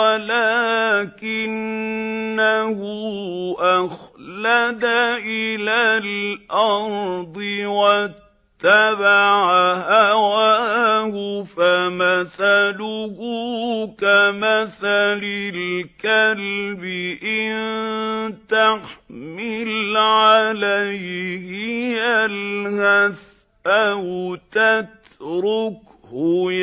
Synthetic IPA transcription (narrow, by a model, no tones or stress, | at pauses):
walakɪnː | ahʊʔaxlad̪aʔɪlaːlʔɑɾd̪ˤɨwat̪ːabaʕahawahʊfamaθalʊhʊkamaθalɪlkalbɪʔɪn | t̪axmɪlʕalajɪhɪjalhaθ | ʔaht̪at̪ | ɾʊk | hʊ